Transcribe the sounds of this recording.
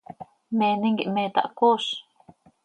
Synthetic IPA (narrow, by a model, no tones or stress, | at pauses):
mẽːnĩŋɡiʔmẽːt̪a̰ʔkoʃ